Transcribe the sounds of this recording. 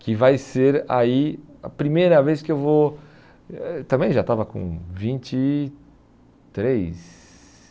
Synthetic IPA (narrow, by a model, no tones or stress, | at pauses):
kɪvajseɾa̰ia̰pɾimejɾɐvejskɪewvo | t̪ɐ̃mbẽj̃ʒat̪avɐkõ̰vĩt͡ʃɪ | t̪ɾejs